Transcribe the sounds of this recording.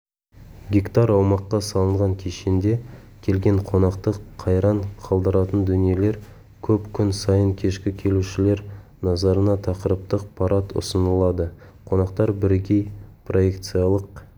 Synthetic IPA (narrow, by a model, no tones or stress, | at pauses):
ɡʲikt̪ɑɾɑwmɑqːɑsɑlˠəɴʁɑŋkʲʰeʃend̪e̞kʲʰe̞lɡʲe̞ɴqʰo̞nɑqt̪əqʰːɑjɾɑɴqʰɑlˠd̪əɾɑt̪ənd̪ʏnije̞le̞ɾ | kʲʰɵpkʲʰʏnsɑjəŋkʲʰe̞ʃkʲɪkʲʰe̞luʃɪle̞ɾnɑzɑɾənɑt̪ʰɑqəɾəp̚t̪əq̚pʰɑɾʔɑt̪ʊ̰sənəlˠɑd̪ə | qʰo̞nɑqt̪ɑɾbɪɾɡʲe̞jpʰro̞je̞kt̪sɨjɑlˠəq̚